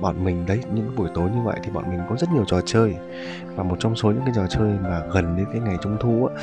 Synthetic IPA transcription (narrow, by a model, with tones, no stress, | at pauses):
ɓa̰ː˧˨nmï˨˩ŋ̟ɗə˨˦jɲɨ̰˧˥ŋɓu˧˩əjt̪o˨˦jɲɨ˧və̰˧˨jt̪ʰi˨˩ɓɔ̰˧˨nmï˨˩ŋ̟kɔ˨˦zə˦˥t̚ɲi˨˩əwt͡ɕɔ˨˩t͡ɕəː˧j | vaː˨˩mo˨˩t̚t͡ɕɔ˧wŋ͡mso˨˦ɨ̰˧˥ŋkaː˨˦jt͡ɕɔ˨˩t͡ɕəː˧jmaː˨˩ɣə˨˩nɗe˨˧˦nkaː˨˦jŋa˨˩jt͡ɕʊ˧wŋ͡mt̪ʰu˧ʔaː˨˦